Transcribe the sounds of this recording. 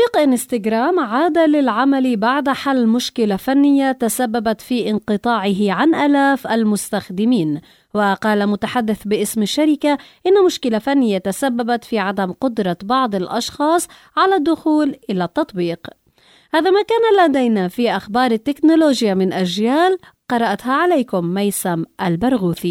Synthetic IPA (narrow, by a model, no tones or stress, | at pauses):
t̪ˤbiːqʔɪnst̪aɡɾaːmʕaːd̪alɪlʕamalibaʕd̪ħalːmʊʃkɪlafanːɪjːat̪asabːabat̪fiʔɪnqɨt̪ˤɑːʕɪɦɪʕanʔaːlaːfʔalmʊst̪axd̪ɪmiːn | waqɑːlamʊt̪aħad̪ːɪθbɪʔɪsmɪʃːaɾɪkaʔɪnːamʊʃkɪlafanːɪjːat̪asabːabat̪fiʕad̪amqʊd̪ɾˤɑbɑʕd̪ˤɪlʔɑ̰ʃxɑːsˤ | ʕalad̪ːʊxuːlʔɪlat̪ːɑt̪ˤbiːq | haːðamakaːnalad̪ajnafiʔaxbɑːɾˤɪt̪ːɪknʊloːʒɪjamɪnʔaʒjaːl | qɑɾˤɑʔt̪haʕalajkʊmːajsamʔalbɑɾˤɣuːθi